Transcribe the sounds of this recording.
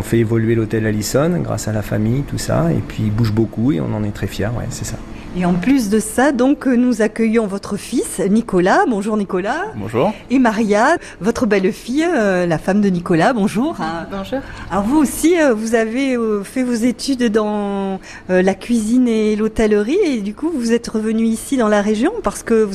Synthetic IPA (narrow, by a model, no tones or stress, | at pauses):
ɔ̃fɛevɔlɥelot̪ɛlalisɔnɡʁa̰salafa̰mijt̪usa̰ḛpʰɥibuʒbokueɔ̰̃nɑ̃nɛt̪χɛfjɛʁwɛ̰sɛsa | eɑ̃plys̬d̪əsad̪ɔ̃knuzakʲœjɔ̃vɔt̪χəfisnikɔlabɔ̃ʒuʁnikɔlabɔ̰̃ʒuʁemaʁja | vɔt̪χəbɛlfijlafamd̪ənikɔlabɔ̃ʒuːʁ̃ | alɔʁvuosiøvuzavefɛvozet̪yd̪d̪ɑ̃ | lakʲɥizinelot̪ɛlʁied̪ykuvuzɛt̪ʁəvənyisid̪ɑ̃laʁeʒjɔ̃paʁsə̥kəvu